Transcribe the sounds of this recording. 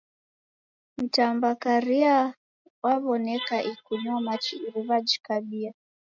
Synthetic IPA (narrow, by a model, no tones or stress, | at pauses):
m̩tambakaɾia | waβɔnɛkaʔikuɲuamat͡ʃiiɾiβad͡ʒi̥kaɓia